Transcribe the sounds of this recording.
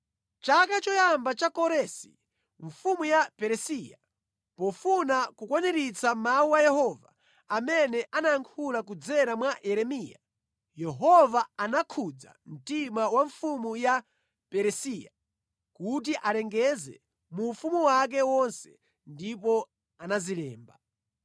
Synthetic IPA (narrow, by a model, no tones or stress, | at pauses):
t͡ʃakat͡ʃɔjambat͡ʃakɔɾɛsi | ɱfumujapɛɾɛsiːja̰ | pɔfunakukwanɛɾit͡samawuwajɛhɔva̰ː | mɛnɛʔanaaŋkʰulak̬ud͡zɛɾamwaʔɛɾɛmiːja | jɛɦɔvaanakʰud͡za̰m̩timawaɱfumuja | pɛɾɛsiːja | kut̬iʔalɛŋɡɛzɛ̰ | mufumuwak̬ɛwɔnsɛ̥ | ndipɔ | anazilɛːmba